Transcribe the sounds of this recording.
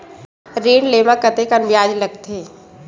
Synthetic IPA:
ɾiːɳleːmakət̪ekənbjaːd͡ʒlɐɡt̪ʰeː

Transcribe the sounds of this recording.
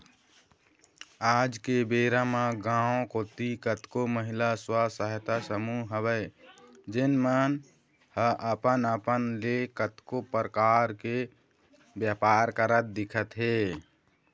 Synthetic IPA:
aːd͡ʒkebeːɾamãɡãːõkot̪ikət̪koməɦɪlaswasəɦt̪asəmuɦəbəɪd͡ʒenmən | həʔəpənəpənlekət̪kopɾəkaɾke | bjapaːɾkəɾət̪̚d̪ɪkʰət̪ɦe

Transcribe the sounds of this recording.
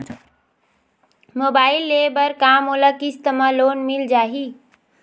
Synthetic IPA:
moːbaːɪlːebəɾkamoləkist̪əmə̃loːnmild͡ʒaːɦi

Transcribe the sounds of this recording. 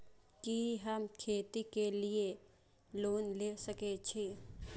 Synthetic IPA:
kiɦəmkʰeːt̪ikelie | loːnleːsəket͡ʃʰeː

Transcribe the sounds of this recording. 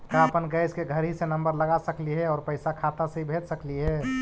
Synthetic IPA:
kapənɡəɪskeɡʱəɾɦisenə̃mbəɾləɡasəkliɦɛɔːɾpəɪsakʰat̪asẽibʱed͡ʒsəkliɦɛ

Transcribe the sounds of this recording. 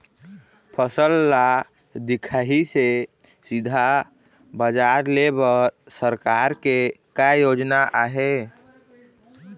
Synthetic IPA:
pʰəsəlːa | d̪ikʰaɦise | sid̪ʱa | bəd͡ʒaɾlebəɾ | səɾkaɾkekajod͡ʒnaʔaɦe

